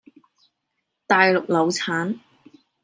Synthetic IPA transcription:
t̪aː˨jlʊ˨k̚lɐ˨˧wt͡sʰaː˨˥n

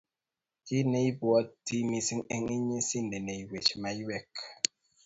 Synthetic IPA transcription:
i˦ne˦i˦bwɔ˦ti˦mi˦si˦ŋe˦ŋi˦ɲe˦si˦n˨de˨ne˨i˨we˨t͡ʃma˨i˦wɛ˦˨k

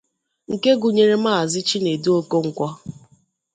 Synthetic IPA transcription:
ŋ̩˨ke˦ɡu˨ɲe˨ɾe˦m̩a˦˨a˨zɪ˦t͡ʃi˦ne˨du˦o˦ko˦ŋ̩˨kʷɔ˦

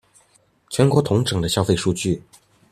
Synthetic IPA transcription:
t͡ɕʰɥɛ˧˥nkwɔ˧˥t̪ʰʊ˧˥ŋʈ͡ʂɤ˨˩ŋd̪ə˦ɕjɑ˥˧ʊfe˥˧ɪʂu˥˧t͡ɕy˥˩

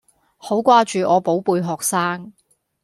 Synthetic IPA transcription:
ho˨˥wkʷaː˥t͡ʃyː˨ʔɔː˨˧po˨˥wpuː˧jɦɔː˨k̚saː˥ŋ

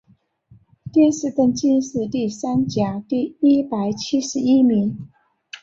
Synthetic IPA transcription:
t̪jɛ˥˧nʂɻ̩˥˧kə˥˧nt͡ɕi˥˧nʂɹ̩˥˧t̪i˥˩sa˥nt͡ɕja˨˩˦t̪i˥˩i˥pa˨˩ɪt͡ɕʰi˥ʂɻ̩˧˥˦i˥mi˧˥ŋ

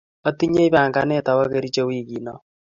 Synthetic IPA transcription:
a˦ti˦ɲe˦i˦βa˨ŋɡa˦ne˦˨ta˨wa˦ɣe˨ɾi˦t͡ʃe˦wi˦˨ɣi˨nɔ˦

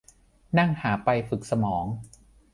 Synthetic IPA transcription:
na˥˩ŋhaː˩˦pa˧jfɯ˨˩k̚sa˧mɔː˩˦ŋ

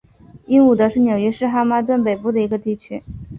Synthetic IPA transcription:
i˥nu˨˩d̪ə˧˦ʂɻ̩˥˩njo˨˩ʊɥɛ˥ʂɻ̩˥˧xa˥ma˥t̪̬wə˥˩npe˨˩ɪpu˥˩d̪ə˩i˧˥ɡə˧t̪i˥˩t͡ɕʰy˥

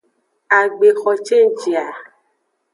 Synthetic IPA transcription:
a˨ɡ͡be˨xɔ˧t͡ʃe˦n̩˨t͡ʃi˨a˨

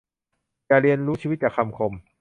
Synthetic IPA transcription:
jaː˨˩ɾi˧ənɾuː˦˥t͡ɕʰiː˧wt̪̚t͡ɕaː˨˩kʰa˧mkʰo˧m

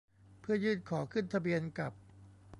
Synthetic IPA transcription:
pʰɯ˥˩ɐjɯː˥˩t̪̚kʰɔː˩˦kʰɯ˥˩nt̪ʰa˧bi˧ənka˨˩p̚

